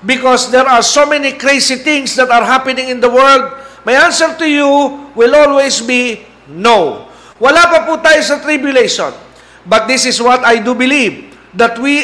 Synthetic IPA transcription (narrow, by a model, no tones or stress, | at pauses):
bɪkɔsd̪ɛɹaɹsomɛnikɾejsit̪ɪ̃ŋsd̪ɐt̪ɐɹɦapɪnɪ̃ŋɪ̃nd̪ɐwɛɹld̪̚mɐjãnsɛɹt̪ʊjuwɪlolwejsbi | now | wɐlapɐput̪aːjosɐt̪ɾɪbjʊlejʃɔ̰n | bɐt̪̚d̪ɪsɪswɐt̪ajd̪ubɪliv | d̪ɐt̪̚wi